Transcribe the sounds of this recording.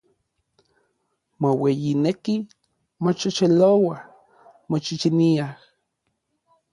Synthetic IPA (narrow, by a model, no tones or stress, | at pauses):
mowejineki | mot͡ʃot͡ʃelowa | mot͡ʃit͡ʃiniah